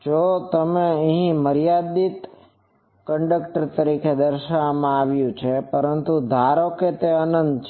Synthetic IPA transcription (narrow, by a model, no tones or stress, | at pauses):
d͡ʒot̪əmeə̃ɦĩməɾijad̪it̪ | kəɳɖəkʈəɾt̪əɾikʰed̪əɾʃaʋmãaʋjũt͡ʃʰepəɾənt̪ud̪ʱaɾoket̪eənənd̪t͡ʃʰ